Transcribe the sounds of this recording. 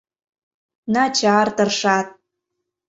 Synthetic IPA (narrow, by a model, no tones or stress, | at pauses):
nɑt͡ɕɑrt̪ɤrʃɑt̪̚